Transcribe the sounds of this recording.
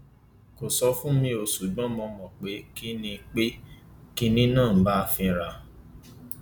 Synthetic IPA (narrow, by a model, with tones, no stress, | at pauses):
ko˨sɔ˧˦fũ˦mĩ˧o˨su˨ɡ͡bɔ̃˨˦mɔ̃˧mɔ̃˨k͡pe˨˦ki˦nĩ˧k͡pe˦ | ki˦nĩ˦nãː˦˨˦ba˦˧fĩ˧ɾa˧